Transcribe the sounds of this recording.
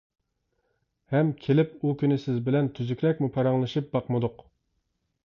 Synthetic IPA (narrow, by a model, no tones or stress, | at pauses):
hɛmkʲʰelɪpukʲʰynɪsɪzbɪlɛnt̪ʰyzykʲɾɛk̚ʲmupʰɛɾɑŋlˠɨʃip̚bɑqmɨd̪ʊq